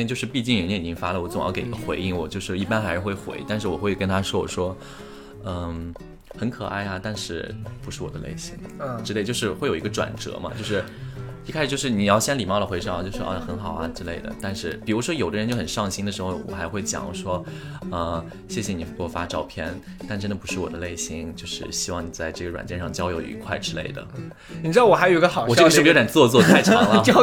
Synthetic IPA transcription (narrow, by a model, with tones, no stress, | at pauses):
ɛ˧t͡ɕjo˥˧ʊʂɻ̩˥˧pi˥˧t͡ɕi˥˩ŋɻə˧˥nji˨˩t͡ɕi˥ŋfa˥lə˨wɔ˥t͡sʊ˨˩ŋjɑ˥˩ke˨˩i˧ɡ̥ə˧xwe˧˥ɪi˥˩ŋwɔ˨˩t͡ɕjo˥˧ʊʂɻ̩˥˩i˥˩pa˥nxa˧˥ɪʂɻ̩˥˧xwe˥˩ɪxwḛ˧˥ɪt̪a˥˧nʂ̬ɻ̩˥˩wɔ˨˩xwe˥˩ɪkə˥nt̪ʰa˥ʂwɔ˥wɔ˨˩ʂwɔ˥ | ə˧ | xə˧˥nkʰɤ̰˨˩a˥˩ɪɐ˩t̪a˥˧nʂɻ̩˥˩pu˧˥ʂɻ̩˥˩wɔ˨d̪ə̰˦lḛ˥˩ɪɕi˧˥ŋʈ͡ʂɻ̩˥le˥˧t͡ɕo˥˧ʊʂɻ̩˥˧˩xwe˥˩jo˨˩ʊi˧˥ɡə˧ʈ͡ʂwa̰˨˩nʈ͡ʂɤ̰˧˥mɐ̰˧t͡ɕjo˥˧ʊʂ̬ɻ̩˥˩ | i˥kʰa˥ʂɻ̩˨˧jo˥˧ʊʂɻ̩˥˩ni˨˩jɑ˥˩ʊɕjɛ˥nli˨˩mɑ˥˩lə˩xwe˧˥ɪʂɑ˥˩˨t͡ɕjo˥˧ʊʂw̰ʔɐ̰˥˩xə˧˥nxɑ˨˩ʊɐ˦ʈ͡ʂɻ̩˥le˥˩ɪd̪ə̰˩t̪a˥˧nʂɻ̩˥˩pi˨˩ɻu˧˥ʂwɔ˥jo˨˩ʊə˦˧nt͡ɕjo˥˩ʊxə˨˩nʂɑ˥˩ŋɕi˥ŋd̪ə˨ʂɻ̩˧˥xo˧ʊwɔ̰˨˩xa˧˥ɪxwe˥˩ɪt͡ɕjɑ̰˨˩ŋʂwɔ˥ | ə˧˩ | ɕjɛ˥˩ɕjɛ˨ni˨˩pɔ˥˩fa˥ʈ͡ʂɑ˥˧ʊpʰjɛ˥˧n | t̪a˥˩nʈ͡ʂə˥nd̪ə˩pu˧˥ʂɻ̩˥˩wɔ̰˨˩d̪ə˦le˥˩ɪɕi˧˥ŋt͡ɕjo˥˧ʊʂɻ̩˥˩ɕi˥wɑ˥˩ŋni˨˩t͡sa˥˧ɪʈ͡ʂɤ˥˩ɡə˩ɻwa̰˨˩nt͡ɕjɛ˥˧nʂɑ˥˩ŋt͡ɕjɑ˥ʊjo˧˥ʊḭ˧˥kʰwa˥˧ɪʈ͡ʂɻ̩˥le˥˩ɪd̪ə̰˩ | ni˨˩ʈ͡ʂɻ̩˥d̪ɑ˥˩wɔ˨˩a˧˥ɪo˨˩˧i˥ə˧xɑ˨˩ʊɔ˨ʈ͡ʂəʂ̩˥˩pa˨˩nt͡swɔ˥˧t͡swɔ˥˧t͡sa˥˩ɪʈ͡ʂʰɑ˥ŋlə˧˥